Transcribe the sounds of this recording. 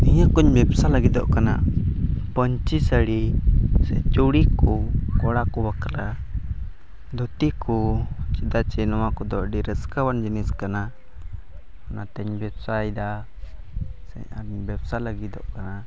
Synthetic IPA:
iɲakuɲbɛbsaləɡid̪ɔʔkana̰ | pɔɲt͡ʃisəɽisɛ̰t͡ʃuɽikɔkɔɽakɔwakɾa | d̪ɔt̪ikʰɔt͡ʃid̪at͡ʃɛnɔwakɔd̪ɔʔɖiɾəskawand͡ʒiniskana | anat̪ɛɲbɛbsajd̪a | sɛ̰ɲaɲbɛbsaləɡid̪ɔʔkana

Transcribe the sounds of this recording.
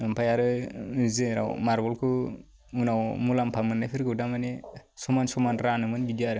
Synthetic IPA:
ampʰajaɾɯzeɾa̰wmaɾbɔlkʰɯ | unawmulampʰamɯnːajpʰiɾɡɯwdamanesɔmansɔmanɾanɯmɯnbidiaɾɯ

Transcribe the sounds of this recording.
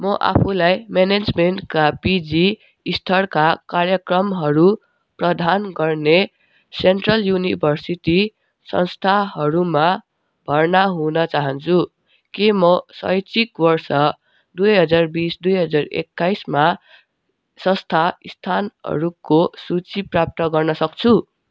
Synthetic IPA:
mʌʔa̰pʰulajmened͡zmenʈkapid͡zi | ist̪ʰʌrkakarjʌkrʌmɦʌɾu | prʌd̪ʱanɡʌrne | seɳʈrʌljunibʱʌrsiʈi | sʌ̰nst̪ʰaɦʌɾuma | bʱʌrnaɦunʌt͡saɦʌnt͡sʰu | kemʌsʌ̰jt͡sikbʌrsʌ | d̪ujɦʌd͡zarbisd̪ujɦʌd͡zarḛkːajsma | sʌ̃st̪ʰaist̪ʰanɦʌ̰ɾukosut͡siprap̚t̪ʌɡʌrnʌsʌk̚t͡sʰu

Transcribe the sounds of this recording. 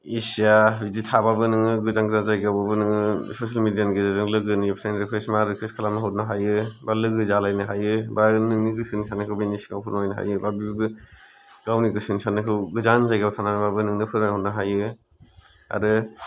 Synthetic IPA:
isijabiditʰababɯnɯŋɯɡɯzaŋzazajɡababɯnɯŋɯsosalmidijanɡezazɯŋlɯɡɯnipʰɾenɾekʰɾesmaɾɯkʰeskʰalamnaɦɔt̚naɦajɯbalɯɡɯzalajnɯɦajɯbanɯŋniɡɯsɯnisʰanɯkʰɯwbeniskawpʰuɾnɔjnɯɦa̰jɯbabibibɯ | ɡawniɡɯsɯnsanɯkʰɯwɡɯzanzajɡabɯtʰanamababɯnɯŋnɯpʰɯɾahɔt̚naɦajɯ | a̰ɾɯ

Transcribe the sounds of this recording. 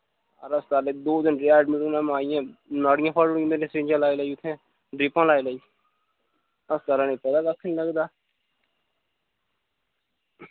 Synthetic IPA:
ə̰ɾəst̪aːleːd̪oːd̪ɪnɾɛːɖmɪɾunãːmaːijãːnaːɽɪjãːpʰaːɖʊɽĩːmeːɾẽːsɾɪ̃ːɲd͡ʒãːlaːilaiːʊt̪ʰːẽː | ɖɾɪpãːlaːiləiː | əst̪aːɾaːnẽːpət̪aːkəkʰːnĩːləɡd̪aː

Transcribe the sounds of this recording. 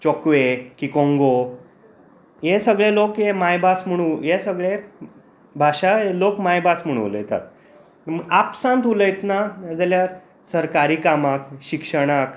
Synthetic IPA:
t͡ɕɔkʋekikõŋɡo | jesəɡɭelokjemajbʱasm̤əɽ̃ũjesəɡɭe | bʱaɕaelokmajbʱasm̤əɽ̃ṵ̃lə̰jt̪a̰t̪̚ | məapsãnt̪uləjt̪nad͡zalja | səɾkaɾiːkamakɕikʂəɽ̃ak

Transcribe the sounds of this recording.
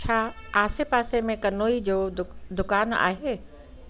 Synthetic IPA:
t͡ɕʰaːaːsepaːsemẽkɐnoːid͡ʑoːd̪ʊkaːna̰ːɦeː

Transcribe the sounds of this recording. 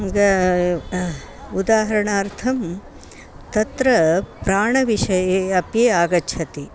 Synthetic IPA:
ɡɐ | ud̪aːɦɐɾɐɳaːɾt̪ʰɐm | t̪ɐt̪ɾɐpɾaːɳɐʋiʂɐjeːɐpjeːaːɡɐt͡ʃʰɐt̪i

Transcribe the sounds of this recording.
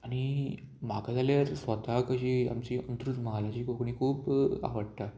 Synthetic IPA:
añi | m̤akad͡zaljaɾsʋət̪akəɕiːa̰mt͡ɕiənt̪ɾut̪maɦalat͡ɕiːkokɳikʰuːpa̰ʋəɽt̪a

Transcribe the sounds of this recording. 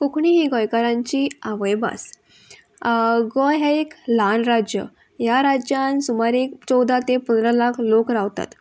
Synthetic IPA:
kokʰɳiɦiɡɔjkaɾãɲt͡ɕiaʋəjba̰s | ɡɔjɦɛeklanɾad͡ʑjə̰ | jaɾad͡ʑjansumaɾekt͡sɔwd̪ʱat̪epənd̪ɾalakʰlokɾaʋt̪a̰t̪

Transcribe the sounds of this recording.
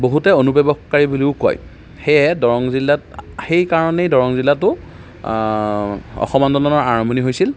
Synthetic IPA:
boɦutɛonupɔbɔkkaɹibuliʊko̰j | xejɛdɔɹɔŋzilːatxejkaɹɔnejdɔɹɔŋzilːatʊ | ɔ̰xɔmɔndɔnɔnɔɹaɹɔmɔniɦojsil

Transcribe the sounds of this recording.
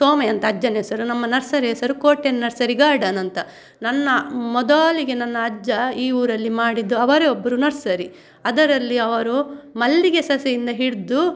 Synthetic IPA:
soːmeɐnt̪ɐːd͡ʒːɐneːsɐɾunɐmːɐnɐɾsɐɾeːsɐɾukoːʈːennɐɾsɐɾiɡaːɾɖɐnɐnt̪ɐ | nɐnːɐmɔd̪aːliɡe̞nɐnːɐːd͡ʒːɐiːuːɾɐlːimaːɽid̪ːuɐʋɐɾeobːɐɾunɐɾsɐɾi | ɐd̪ɐɾɐlːiɐʋɐɾumɐlːiɡesɐsɐjind̪ɐɦiɽd̪u

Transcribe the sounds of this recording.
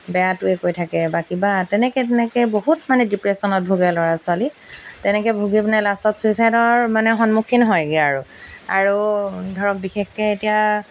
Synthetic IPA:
bɛjatʊɛkojtʰakɛbakibatɛnɛkɛtɛnɛkɛboɦutmanɛdipɹesɔnɔt̚bʱuɡɛlɔɹasʊalitɛnɛkɛbʱuɡibnɛlastɔtsuisajdɔɹmanɛxɔnmukʰinɦɔjɡiaaɹua̰ɹudʱɔɹɔk̚bixexkɛetija

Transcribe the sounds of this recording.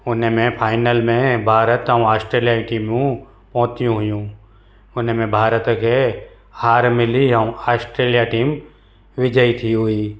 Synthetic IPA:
ʊnmẽpʰaːɪnəlmẽbʱaːɾət̪ə̃ũaːsʈɾeːlijaiʈiːmjũ | pɔ̃ɦʊ̃t̪ijũɦʊjũ | ʊnmẽbʱaːɾət̪kʰe | haːɾmɪliɦə̃ũaːsʈɾeːlijaʈiːm | ʋɪd͡ʒəit̪ʰiɦʊiː

